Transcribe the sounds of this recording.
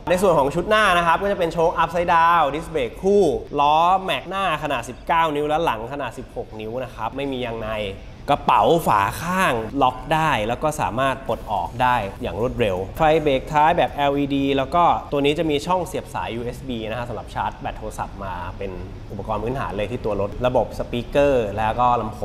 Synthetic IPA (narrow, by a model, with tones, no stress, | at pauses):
na˧jsu˨˩ənkʰɔː˩˦ŋt͡ɕʰu˦˥t̪̚naː˥˩na˦˥kʰa˦˥p̚kɔː˥˩t͡ɕa˨˩pe˧nt͡ɕʰoː˦˧˥kʔa˦˥p̚sa˦˧jdaː˧wdi˦˥sbeː˨˩kʰːuː˥˩lɔː˦˥mɛ˦˩k̚naː˥˩kʰa˧naː˨˩t̪̚si˨˩p̚kaː˥˩wni˦˥wlɛ˦˥la˩˦ŋkʰa˧naː˨˩t̪̚si˨˩p̚ho˨˩k̚ni˦˥wna˦˥kʰa˦˥p̚ma˥˩jmiː˧ja˧ŋna˧j | ka˧˩pa˩˦wfa̰ː˩˦kʰaː˥˩ŋlɔ˦˥k̚daː˥˩jlɛː˦˥wkɔː˥˩sa̰ː˩˦maː˥˩t̪̚po˨˩t̪̚ʔɔ̰ː˨˩k̚daː˥˩jjaː˨˩ŋɾoː˥˩t̪̚ɾe˧wfa˧jbeː˨˩k̚t̪ʰaː˦˥jbɛː˨˩p̚ʔɛː˧wʔiː˧diː˧lɛː˦˥wkɔː˥˩t̪u˧əniː˦˥t͡ɕa˨˩miː˧t͡ɕʰɔ˥˩ŋsi˨˩əp̚sa̰ː˩˦jːuː˧ʔe˦˥sbiː˧na˦˥kʰa˦˥sa˨˦la˨˩p̚t͡ɕʰaː˦˥t̪̚bɛ˨˩t̪ʰːo˧sa̰˨˩p̚maː˧pe˧n | ʔu˨˩pa˧kɔː˧npʰɯː˦˥nt̪ʰa̰ː˩˦nlɤː˧t̪ʰiː˥˩u˧ɐlo˦˥t̪̚ɾa˧bo˨˩p̚sa˧piː˦˥kɤː˥˩lɛː˦˥wkɔː˥˩la˧mpʰo˧˦